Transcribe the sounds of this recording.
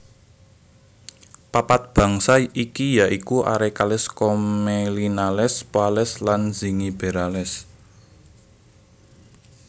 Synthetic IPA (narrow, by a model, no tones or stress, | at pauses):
papat̪̚b̥ä̤ŋsaikijaʔikuʔa̰ɾekalɪskomelinalɛspwalɛslanz̥i̤ŋib̥eɾalɛs